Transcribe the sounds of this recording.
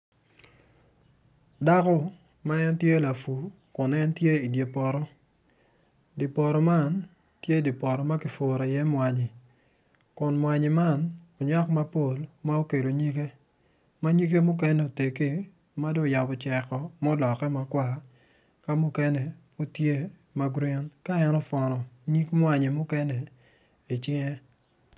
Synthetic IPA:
da˦kɔ˦ | ma˦ɛ˦ntje˦la˨fu˨ | kʊ˨nɛ˦ntje˦i˨dje˨pɔ˨ɾɔ˦ | di˨pɔ˨ɾɔ˨ma˦˨n | tje˦di˨pɔ˨ɾɔ˨ma˦kɪ˨fo˨ɾa˨jɛ˦mwa˨ɲi˨ | kʊ˨nmwa˨ɲi˨ma˦˨no˨ɲa˦kma˦po˦˨lma˦o˦ke˨lo˨ɲi˦ke˦ | ma˦ɲi˦ke˦mʊ˦k̬ɛ˦nɛ˦˨o˨te˨ki˦ | ma˦do˦ja˨bɔ˨t͡ʃɛ˨kɔ˨mɔ˦lɔ˨kɛ˦ma˨kwa˨ | ka˦mʊ˦kɛ˦nɛ˨po˦tje˦ | ma˦ɡɾi˦nka˦ɛ˦nɔ˦fɔ˨nɔ˨ɲi˦kmwa˨ɲe˨mʊ˦kɛ˦nɛ˨ | i˨t͡ʃɪ˦ŋɛ˦

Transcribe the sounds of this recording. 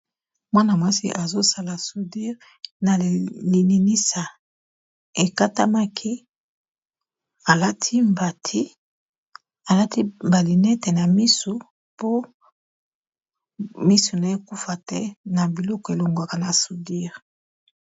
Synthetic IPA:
mwa˦na˨mwa˦sḭ˦ʔa˨zo˦sa˦la˨su˨di˦ʁ | na˨li˨ni˨ni˦sa˨ | e˨ka˦ta̰˦ma˦kʰi˦ | a˨la˦tʰi˦mba˨tʰi˦ | a˨la˦ti˦mba˨li˨ne˦tɛ˨na˨mi˦su˨ | po˦ | mi˦su˨na˨e˦ku˦fa˨tɛ˦na˨bi˨lɔ˦kɔ˨e˨lo˨ŋɡa˨ka˨na˨su˨di˦ʁ

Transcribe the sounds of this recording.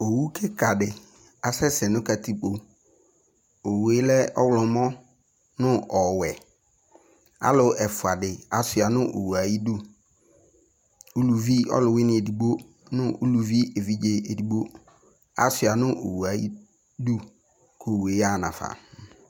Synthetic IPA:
o˨wu˦kʰɪ˦kʰa˨dɪ˨ | a˨sɛ˦sɛ˨nʊ̃˦ka˨tʰi˦k͡po˨ | o˨we˦lɛ˦ɔ˦wlʊ̃˨˦mɔ̃˦ | nʊ̃˦ɔ˨wɛ˨ | a̰˦lʊ˦ɛ˨fʊ˨a˨dɪ˨a˨sʊ˨a˨nʊ̃˦ʔo̰˨wu˨a˨ji˦du˦ | u˦lu˨vi˦ɔ̰˦lʊ˨wɪ˦nɪ̃˨e˨di˨ɡ͡bo˦ | nʊ̃˦ʔu˦lu˨vi˦e˨vi˦d͡ʒe˦e˨di˨ɡ͡bo˦ | a̰˨sʊ˨a˨nʊ̃˦ʔo̰˨wu˨a˨ji˦ | du˦ | kʰo˨we˨˦a˦˨nã̰˨fa̰˨

